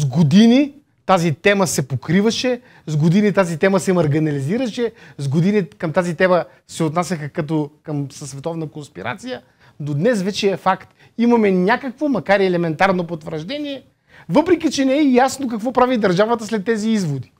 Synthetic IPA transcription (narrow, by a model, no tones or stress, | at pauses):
zɡod̪ini | t̪azit̪ɛməsɛpokɾivɐʃɛ | zɡod̪init̪azit̪ɛməsɛmɐɾɡinɐliziɾəʃɛzɡod̪inikɐmt̪azit̪ɛmə | sɛot̪nasʲɐxəkɐt̪okəmsəsːvɛt̪ɔvnəkonspiɾa̰t̪sijə | d̪od̪nɛsvɛt͡ʃɛɛfakt̪ | imɐmɛnʲakəkvomɐkaɾiɛlɛmɛnt̪aɾnopot̪vəɾʒd̪ɛniɛ | vɤpɾɛkʲit͡ʃɛnɛɛjasnokɐkvɔpɾavid̪ɐɾʒavət̪əslɛt̪ːɛziizvod̪i̥